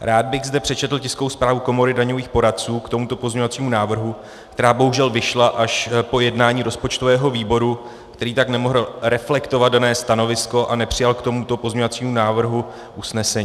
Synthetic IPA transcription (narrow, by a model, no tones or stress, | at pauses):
ɾaːd̪̚bɪɣzdɛpr̝̥ɛt͡ʃɛt̪l̩cɪskowspɾaːvuko̞mo̞ɾɪdaɲo̞viːxpo̞ɾat̚t͡suːkt̪o̞mut̪o̞pozɲeɲovat͡siːmunaːvr̩ɦu | kt̪ɛɾaːbo̞ɦuʒɛlvɪʃlaʔaʃpo̞jɛdnaːɲiːɾo̞spo̞t͡ʃt̪o̞vɛːɦo̞viːbo̞ɾu | kt̪ɛɾiːt̪aknɛmo̞ɦl̩ɾɛflɛkt̪o̞vad̪danɛːst̪ano̞vɪsko̞ʔanɛpr̥ɪjalkt̪o̞mut̪o̞pozmɲovat͡siːmunaːvr̩ɦu | ʔusnɛsɛɲ